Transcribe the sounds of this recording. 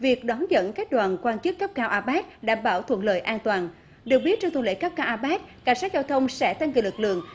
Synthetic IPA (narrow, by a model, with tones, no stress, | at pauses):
vi˨˩ək̚ɗɔ˨˦nzə̰˧˥nkaː˦˥k̚ɗwaː˨˩nkwaː˧nt͡ɕɨ˦˥kːə˦˥p̚kaː˧wʔaː˧ɓaː˦˥t̚ɗa̰ː˧˩mɓaː˧˩wt̪ʰə̰˧˨nləː˧˨jʔaː˧nt̪waː˨˩n | ɗɨ˨˩ək̚ɓi˦˥ət̚t͡ɕɔ˧ŋ͡mt̪ʰə˨˩˨lḛ˧˥kə˦˥p̚kaː˧wʔaː˧ɓaː˦˥t̚ka˨˧˩ŋ̟saː˦˥t̚zaː˧wt̪ʰə˧wŋ͡msɛ̰˧˥t̪a˧ŋki˨˩lɨ˨˩k̚lɨ̰˧˨əŋ